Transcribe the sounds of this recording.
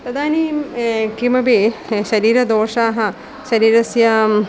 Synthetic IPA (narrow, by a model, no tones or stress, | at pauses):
pɾɐd̪aːnikimɐbeːʃɐɾiːɾɐd̪oːʂaːɦɐ | ʃɐɾiːɾɐsjɐ